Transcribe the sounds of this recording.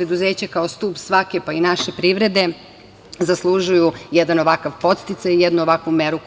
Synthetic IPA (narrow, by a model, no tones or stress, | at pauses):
ɾed̪uze̞ːt͡ɕakaost̪uːpsʋakepainaʃepɾiʋɾe̞d̪e̞ | zaslˠuʒujujɛd̪anoʋakaʋpo̞t̪st̪it̪sajijɛd̪nuoʋakʋumeɾu